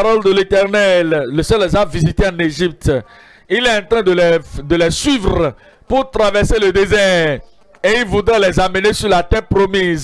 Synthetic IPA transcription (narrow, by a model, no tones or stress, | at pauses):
ɾɔld̪əlet̪ɛʁnɛlːəsɛllɛzavizit̪eãneʒip̚t̪ | ilɛɑ̃t̪ɾɛ̃d̪əlɛd̪əlɛsɥivʁ | puʁt̪ɾavɛʁseləd̪ezɛ | eilvud̪ʁɛ̃lɛzamənesyʁlat̪ɛpɾomiz